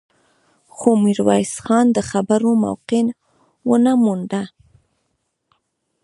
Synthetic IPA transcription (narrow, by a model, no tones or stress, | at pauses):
xomiɾwɑjsxɑnd̪əxabaɾoma̰wqɪn | wənamund̪a